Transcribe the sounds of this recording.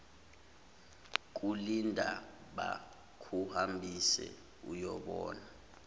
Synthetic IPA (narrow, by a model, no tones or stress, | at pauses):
k̬ulindʱaɓa | kʰuhambʱisɛ̰ | ujɔɓɔːna